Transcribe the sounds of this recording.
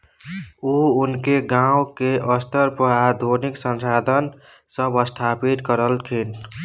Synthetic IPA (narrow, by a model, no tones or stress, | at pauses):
uunkeɡãʊwkeʔəst̪əɾpəad̪ʱoniksənsad̪ʱən | səbəst̪ʰapit̪kəɾəlkʰin